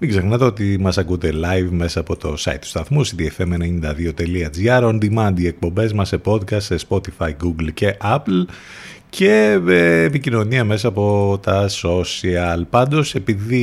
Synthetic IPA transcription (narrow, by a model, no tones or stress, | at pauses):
miɡze̞xnɐt̪e̞ot̪imɐsɐkund̪e̞lɐjvme̞sɐːpo̞t̪o̞sɐ̰it̪ːu̥st̪ɐθmusid̪iefemenenind̪ɐðio̞t̪e̞liɐd͡ziɐɾond̪imɐnd̪ie̞k̚po̞mbe̞zmɐsepo̞d̪kɐst̪spo̞t̪ifɐiɡuɡlce̞ʔɐpl | cʰe̞eːpicino̞niɐme̞sɐːpo̞t̪ɐso̞siɐlpɐnd̪o̞se̞piði